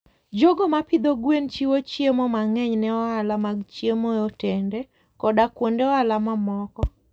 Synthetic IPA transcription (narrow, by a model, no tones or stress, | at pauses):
d͡ʒoɡɔmapɪd̪oɡwent͡ʃiwot͡ʃjemɔmaŋɛɲnɛɔalamaɡt͡ʃjemojɔtɛndɛ | kɔdakwondeɔalamamɔkɔ